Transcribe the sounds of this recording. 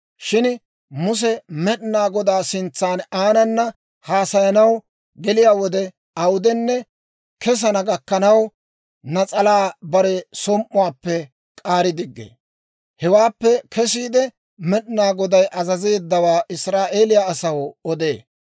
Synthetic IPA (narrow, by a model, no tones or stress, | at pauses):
ʃɪn | mʊs̬ɛmɛɗnaːɡɔd̪aːsɪnt͡sːaːnaːnɐnːɐ | haːsɐjɐnɐw | ɡɛlɪjaːwɔd̪ɛ | ɐwʊd̪ɛnːɛ | kɛs̬ɐnɐɡɐkːɐnɐw | nɐt͡sʼɐlaːbɐɾɛsɔmʔʊwaːpːɛ | kʼaːɾɪd̪ɪɡːḛː | hɛwaːpːɛkʰɛs̬iːd̪ɛ | mɛɗɪnaːɡɔd̪ɐjʔɐzɐze̞ːd̪ːɐwaːʔɪsɾaːʔe̞ːlɪjaːsɐwɔd̪e̞ː